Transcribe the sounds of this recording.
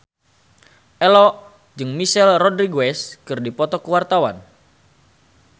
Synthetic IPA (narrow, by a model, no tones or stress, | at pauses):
ʔɛlɔ | d͡ʒɨŋmisɛlrɔdɾiɡoɛskɨrdipɔt̪ɔkəwart̪awan